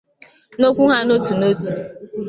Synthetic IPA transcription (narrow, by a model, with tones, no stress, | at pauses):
no˦kʷu˦ɦa˦no˦tu˨no˦tu˨